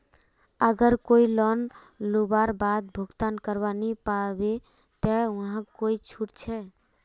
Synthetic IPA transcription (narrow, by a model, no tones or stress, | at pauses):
əɡəɾkoilɔn | lubaɾbad̪̚bʱuɡt̪ankəɾbanipabe | t̪ɛũɦãkoit͡ʃʰuʈt͡ʃʰɛ